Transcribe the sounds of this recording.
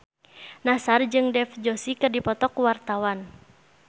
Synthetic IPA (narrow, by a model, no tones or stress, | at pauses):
nasard͡ʒɨŋdɛfd͡ʒɔsikɨrdipɔt̪ɔkuwart̪awan